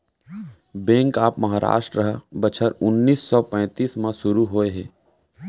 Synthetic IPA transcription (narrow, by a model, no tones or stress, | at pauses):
bɛ̃ːŋkaːpmɐɦaːɾa̰ːʃʈɾəɦbɐt͡ʃʰəɾʊnːiːsːɔːpɛ̃ːt̪iːsmãʃʊɾuɦoːeɦɛː